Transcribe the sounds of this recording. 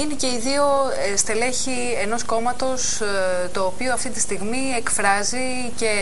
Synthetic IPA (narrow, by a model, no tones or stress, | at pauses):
inece̞iðio̞ | est̪e̞le̞çi | eno̞sko̞mɐt̪o̞s | t̪o̞ːpioɐft̪it̪ist̪iɣmiekfɾɐzi | ce̞